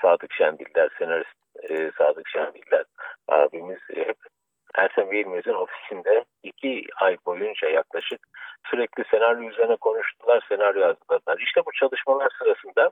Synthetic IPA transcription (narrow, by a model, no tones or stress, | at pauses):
saːd̪ɯkʃænbilʲːæɾse̞naɾist̪ːsaːd̪ɯkʃænbilʲːæɾ̥a̰ːbimiz̥hɛp | æ̰ɾt̪ʰænveɾilʲmezɯno̞fi̥sind̪ɛ | icʰiajbo̞jund͡ʒajaklˠaʃɯk̚syɾɛclʲise̞naɾjojyzeɾinɛkʰo̞nuʃt̪ʰulˠaɾse̞naɾjoazɯlˠad̪ɯlˠaɾiʃt̪ʰɛbut͡ʃʰalˠɯʃmalˠaɾsɯɾasɯnd̪a